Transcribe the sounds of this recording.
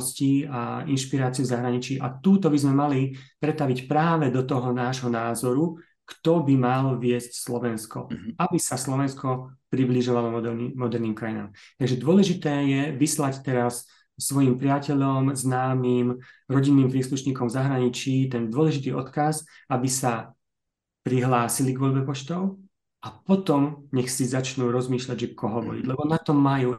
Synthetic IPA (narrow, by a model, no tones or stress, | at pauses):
sciainʃpiɾaːt͡siuvzaɦɾaɲit͡ʃiːʔa̰t̪uːt̪ɔbizmɛmalipɾɛt̪aʋicpɾaːʋɛd̪ɔt̪ɔɦɔnaːʒɦɔnaːzɔɾu | kt̪ɔbimalʋɪɛscslɔʋɛnskɔ̰abisaslɔʋɛnskɔpɾibliʒɔʋalɔmɔd̪ɛimɔd̪ɛɾniːmkɾajina̰ːmt̪aɡʒɛd̪ʊɔlɛʒit̪ɛːjɛʋislact̪ɛɾasː | ʋɔjimpɾɪacɛʎɔmznaːmiːmɾɔɟinːiːmpɾiːsluʃɲiːkɔmvzaɦɾaɲit͡ʃiːt̪̬ɛnd̪ʊɔlɛʒit̪iːɔt̪kas | abisa | pɾiɦlaːsiliɡʋɔʎbɛpɔt͡ʃt̪ɔʊ | ʔapɔt̪ɔmɲɛxsizat͡ʃnuːɾɔzmiːʃlaɟʒɛkʰɔɦɔʋɔ̰ɾḭɟlɛbɔnat̪ɔmajuː